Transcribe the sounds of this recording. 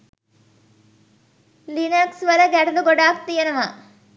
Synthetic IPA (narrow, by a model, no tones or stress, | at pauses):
linɐksʋɐlɐɡɛʈɐluɡɔɽaːk̚t̪ijɐnɐmɐ